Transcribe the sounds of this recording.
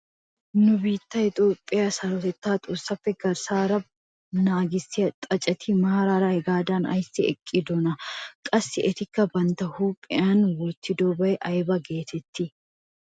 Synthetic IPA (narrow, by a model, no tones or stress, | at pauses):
nʊbiːt̪ːɐɪt̪ʼoːpʼːɪjɐsɐɾɔt̪ɛt̪ːaːt̪ʼʊsɐfːɛɡɐɾsaːɾɐb | naːɡɪsɪɐt̪ʼɐt͡ʃʼːɐt̪ʰiːmaːɾaːɾɐhɛɡaːd̪aːnɐ̰jsɪɛ̰kʼːɪd̪ɔnɐkʼɐsːɪʔɛt̪ɪkːɐbɐnt̪ɐhuːpʼɪaːnwɔt̪ːɪd̪oːbɐɛʔɐjbɐɡe̞ːt̪ɛt̪ːɪ